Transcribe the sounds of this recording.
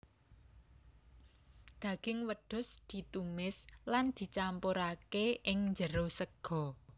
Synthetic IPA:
d̪̥ä̤ɡ̥ɪŋwəɖ̥ʊ̤sd̪̥i̤t̪umɪsland̪̥i̤t͡ʃampoɾakeɪŋɲd͡ʒəɾosəɡ̥ɔ̤

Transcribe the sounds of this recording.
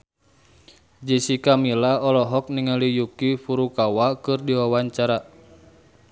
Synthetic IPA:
d͡ʒisikamilaɔlɔɦɔk̚niŋalijukifuɾukawakɨrdiwawaɲt͡ʃaɾa

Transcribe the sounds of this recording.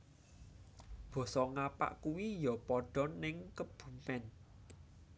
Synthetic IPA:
b̥ɔ̤sɔŋapa̰ʔkuwijɔpɔɖ̥ɔ̤nɪŋkəb̥ṳmɛn

